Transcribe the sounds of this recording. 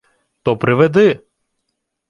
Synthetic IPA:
t̪ɔpɾɪʋed̪ɪ

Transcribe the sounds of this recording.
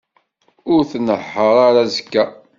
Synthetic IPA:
ʊɾθnəħːəɾˤaɾazkːæ

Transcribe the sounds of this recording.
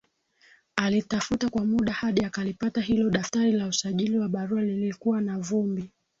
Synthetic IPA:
alitafutakwamuɗahaɗiakalipatahilɔɗaftaɾilausaʄiliwaɓaɾualilikuwanavumbi

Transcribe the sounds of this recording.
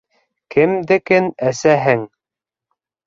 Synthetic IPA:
kɘmd̪ɘ̆kɘnæsæɦɘŋ

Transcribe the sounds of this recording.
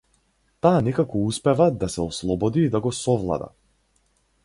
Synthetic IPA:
t̪aːnɛkakɔuspɛvad̪asɛɔslˠɔbɔd̪iːd̪aɡɔsɔvlˠa̰d̪a̰

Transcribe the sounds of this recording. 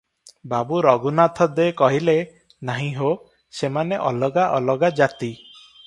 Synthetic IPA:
babuɾɔɡunat̪ʰɔd̪ekɔɦile | naɦĩɦo | semaneʔɔlɔɡaʔɔlɔɡad͡ʒat̪i

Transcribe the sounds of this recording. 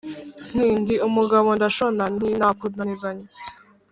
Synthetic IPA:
n̥iːndiumuɡaβondaʃonaninakudnanizaɲe

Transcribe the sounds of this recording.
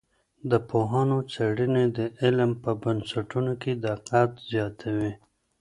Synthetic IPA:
d̪əpoɦanot͡saɽined̪əɪlmpəbənsaʈunoked̪aqɑːt̪zjɑːt̪ʰawi

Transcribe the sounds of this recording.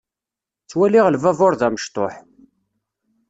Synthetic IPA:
t͡sːwæliʁəlvævʊɾðæməʃt̪ˤoħ

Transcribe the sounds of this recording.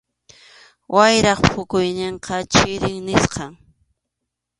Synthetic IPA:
wʔajɾɑχpʰʊkʊjnɪɴqɑt͡ʃɪɾɪŋnɪsqɑŋ

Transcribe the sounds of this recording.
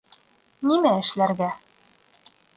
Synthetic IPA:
nimæɘ̆ʃlæɾɡæ

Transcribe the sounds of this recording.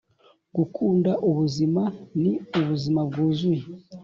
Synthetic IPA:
ɡ̥ukʰuːndaʔuβuzimaniuβuzimabɡuːzi

